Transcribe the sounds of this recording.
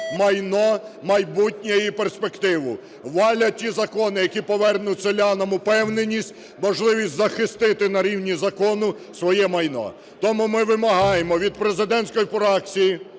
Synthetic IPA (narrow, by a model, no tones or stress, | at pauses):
mɐjnɔmɐjbutʲnʲɛjiperspekt̪ɪʋʊ | ʋɑlʲɐtʲizɐkɔnɪjɐkʲipɔʋɛrnʊtʲsʲelʲɑnɐmʊpɛwnenʲisʲtʲ | mɔʒlˠɪʋʲisʲtʲzɐxɪst̪ɪt̪ɪnɐɾʲiwnʲizɐkɔnʊ | sʋɔjɛmɐjnɔ̰ | t̪ɔmumɪʋɪmɐɦɑjemɔʋʲid̪̚pɾezɪd̪ɛnʲsʲkɔjipɾɑkt͡sʲiji